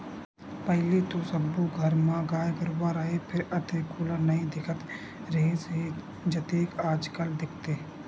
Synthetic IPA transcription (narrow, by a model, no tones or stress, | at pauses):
pəɦlit̪osəbːuɡʱəɾmãɡaːjkəɾwaɾəɦepʰɪɾət̪ekuːlanəɦĩd̪ɪkʰət̪ | ɾeːsɦi | d͡ʒət̪eːkaːd͡ʒkəld̪ɪkʰt̪eː